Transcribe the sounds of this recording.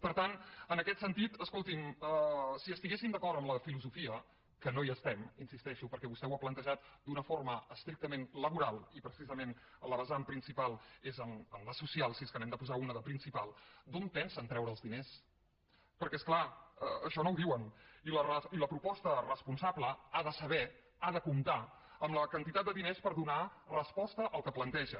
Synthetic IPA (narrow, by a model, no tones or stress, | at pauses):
pəɾt̪anənəkɛt̪sənt̪it̪əskolˠt̪iməsiəst̪iɣesimd̪əkɔɾt̪əmləfiluzufiə | kənoiəst̪ɛminsist̪ɛʃupəɾkɛβust̪ɛwaplənt̪əʒat̪d̪unəforməəst̪ɾik̚t̪əmenləβuɾalˠipɾəsizəmen | ələβəzampɾinsipalˠezəməmləsusialˠsiskənɛmd̪əpuzaunəðəpɾinsipalˠd̪ompɛnsənt̪ɾɛwɾəːlzðines | pəɾkɛsklaəəʃɔnowðiwənilərəiləpɾupɔst̪ərəspunsabləaðəsəβɛ | aðəkumt̪a | əmləkənt̪it̪at̪̚d̪əðinespəɾðunarəspɔst̪əʔəlˠkəplənt̪ɛʒə